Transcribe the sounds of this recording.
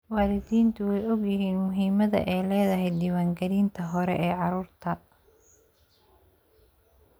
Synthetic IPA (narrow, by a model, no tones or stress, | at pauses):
wɑːlɪðiːnt̪ʰʊwɛjɔɡjɪɦiːnmʊɦiːmɐðɐ̰ʔɛjlɛːðɐɦɛjd̪iːwaːŋɡɐɾiːnt̪ʰɐɦɔɾɛ̰ʔɛːʕɑɾuːrt̪ʰɐ